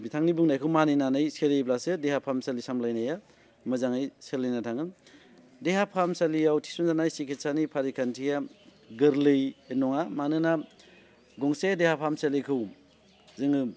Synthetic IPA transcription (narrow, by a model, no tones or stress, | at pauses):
bitʰaŋnibuŋnajkʰɯwmaninanɯjseɾejblasɯdehapʰamsalisamlajnaja | mɯzaŋajselinatʰaŋɯn | deɦapʰamsalijawtʰi̥sɔnzanajsikʰet̚sanipʰaɾikʰantʰija | ɡɯɾlɯjenɔŋamanɯna | ɡɔŋsedehapʰamselijkʰɯw | zɯŋɯ